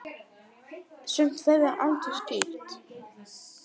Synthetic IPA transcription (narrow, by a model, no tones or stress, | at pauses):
sʏmt̪θeðaɾʔa̰nt̪ʏ̥scɪːlt̪